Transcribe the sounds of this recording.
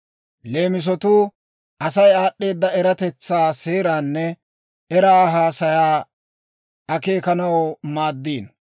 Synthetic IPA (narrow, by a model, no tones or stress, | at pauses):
le̞ːmɪs̬ɔt̪uː | ʔɐsɐjaːɗːe̞ːd̪ːɐɛɾɐt̪ɛt͡sːaːse̞ːɾaːnːɛ | ɛɾaɦaːsɐjaː | ɐke̞ːkɐnɐwmaːd̪ːiːn